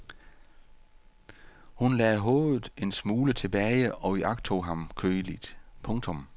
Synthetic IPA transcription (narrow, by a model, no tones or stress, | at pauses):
hunlɛːɦɔ̽ːð̩ˠe̝nsmuːlət͡sʰe̝b̥ɛːɪəɒ̽iʔɑ̈ɡ̥̚t͡sʰo̝̰ːɦɑ̈mkʰøːlid̥pʰɔ̽ŋt͡sʰɔ̽m